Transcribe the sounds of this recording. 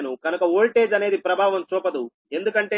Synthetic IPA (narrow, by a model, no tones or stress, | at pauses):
nukɐnukɐoːlʈe̞ːd͡ʒɐne̞ːd̪ipɾɐbʱaːʋɐmsɾuːpɐd̪u | e̞nd̪ukɐɳʈeː